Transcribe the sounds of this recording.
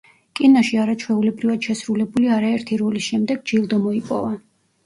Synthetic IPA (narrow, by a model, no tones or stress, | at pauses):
kʼinaʃiaɾat͡ʃʰwɛulɛbɾivad̪̥ʃɛsɾulɛbuliaɾaɛɾt̪ʰiɾɔlisʃɛmd̪ɛɡd͡ʒilˠd̪ɔmɔipʼɔ̰va